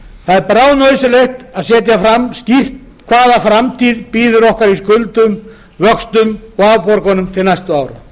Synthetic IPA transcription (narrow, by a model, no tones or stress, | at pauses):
θaðɛɾpɾaːwnœɥsɪlext̪aðsɛːt̪jafɾamːscir̥t̪̚ | kʰvaːðafɾamt̪ʰiːðpiːðʏɾɔhkaɾiskʏlt̪ʏm | vœkst̪ʏmɔawpɔɾkɔnʏmt̪ʰɪlnajst̪ʏaːwɾʏ̰